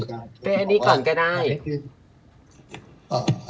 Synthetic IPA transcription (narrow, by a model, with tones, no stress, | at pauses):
pe˧nʔa˧nːiː˦˥kɔː˨˩˦nkaː˥˩daː˥˩j